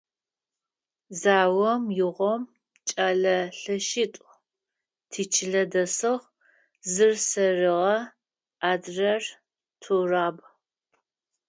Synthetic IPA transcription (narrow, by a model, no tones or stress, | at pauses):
zaːwɔmjɪʁʷɔm | t͡ʃʼaːɮɐɬɐʃɪtʷʼ | tʰiːt͡ʃʰɪɮɐdɐsɨʁ | zɨrsɐrɨʁɐ | aːdrɐr | tʰuraːb